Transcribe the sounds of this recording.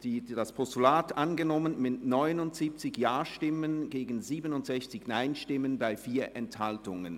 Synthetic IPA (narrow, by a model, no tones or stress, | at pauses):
d̥iːdaspʰɔstulaːtʔanɡənɔmənmɪtnɔʏnʊntz̥iːp̚t͡sɪçjaːɐʃtɪmənɡeːɡn̩ziːbənʊntz̥ɛçt͡sɪçnaɪnʃtɪmənbaɪfiːɐʔɛnthaltʊŋə̰n